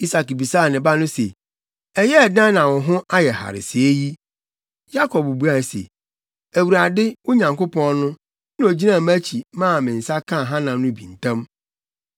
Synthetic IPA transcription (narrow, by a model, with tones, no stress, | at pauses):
i˦sa˨kbi˨sa˦˨nɪ̃˨ba˦nʊ̃˦sḛ˨ | ɛ˨jɛ˦˨dã˦nã˨wɔ̃˨ɦʊ̃˦ʔa˦jɛ˨ha̰˨ɾɪ̰˨sɪ˨e˦ji˦ | ja˦kʰɔ˨bbu˦a˨sḛ˨ | æ˨wu˨ɾa˨dɪ˦ʊ˦ɲã˨ŋko˦pʰɔ̃˦nʊ̃˦ | nɪ̃˦o˨d͡ʑi˦nã˦˨mæ˦t͡ɕʰi˨mã˦˨mɪ̃˨n̩˨sa˦kʰã˦˨ɦã˦nã˨nʊ̃˦bḭ̃˨n̩˨tʰã˦m